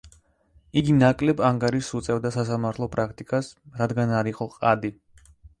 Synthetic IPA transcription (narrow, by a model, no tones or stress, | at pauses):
iɡinakʼlɛbaŋɡaɾiʃːut̪sʼɛvd̪asasamaɾt̪ʰlˠɔpʼɾak̚ʰt̪ʼikʼasɾad̪ɡanaɾiqʼɔqʼad̪i